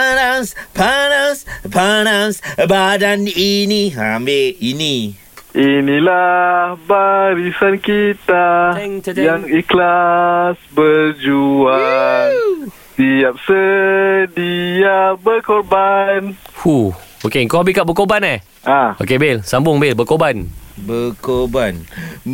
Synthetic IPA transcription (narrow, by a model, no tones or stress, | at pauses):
anaspanasbanasbadaniniɦa̰mbeini | inilahbaɾisankit̪a | jaŋiklasbəd͡ʒua | siap̚sə | diabəkorbanhuokeŋkahabikaʔbəkobana | ʔao̰kebelsambʊŋbelbəkobanbəkoban